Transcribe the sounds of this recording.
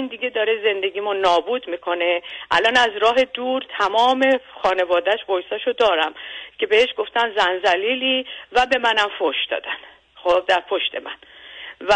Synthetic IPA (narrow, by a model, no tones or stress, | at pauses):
ind̪iɡe̞d̪ɒːɾeze̞nd̪e̞ɟiːmonɒːbuːd̪miːkʰo̞ne̞ʔæ̰lɒːnæzɾɒːɦe̞d̪uːɾt̪ʰæmɒːme̞xɒːne̞vɒːd̪æʃbojsɒʃod̪ɒːɾæmcʰe̞beheʃɡo̞ft̪ænzænzæliːliːvæbe̞mænæmfoʃd̪ɒ̰ːd̪æn | xobd̪æɾpʰo̞ʃt̪ʰe̞mænvæ